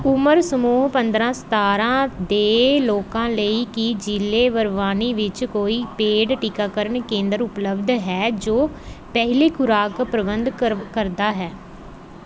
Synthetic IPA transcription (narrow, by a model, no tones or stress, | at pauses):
ʊməɾsəmuːɦpənd̪ɾãːst̪aːɾãːd̪eːloːkãːləiːkɪd͡ʒɪlːeːʋəɾʋaːniːʋɪt͡ʃkoːiːpeːɖʈiːkaːkəɾəɳkẽːnd̪əɾʊpləbd̪ɦɛːd͡ʒoː | pɛɦleːkʰʊɾaːkpɾəbənd̪kəɾd̪aːɦɛː